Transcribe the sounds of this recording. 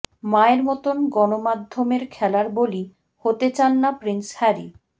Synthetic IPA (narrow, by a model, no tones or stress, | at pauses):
maeɾmɔt̪onɡɔnomad̪ʱːomeɾkʰɛlaɾboli | hot̪et͡ɕanːapɾinshɛɾi